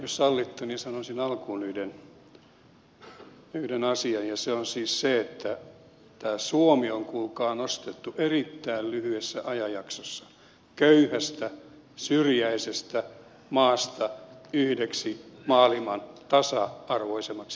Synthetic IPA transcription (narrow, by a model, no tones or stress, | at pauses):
jossɑlːit̪ːunisɑnosinɑlkuːnyːden | nyːdenɑsiɑnjɑseonsiːsseet̪ːæ | t̪æːsuomioŋkulkɑːnost̪et̪ːuʔerit̪ːæillyhyesːæʔɑjɑjɑksosːɑ̥ | køyhæst̪æ | syrjæisest̪æ | mɑːst̪ɑyhdeksimɑːlimɑnt̪ɑsɑɑrʋoisemːɑks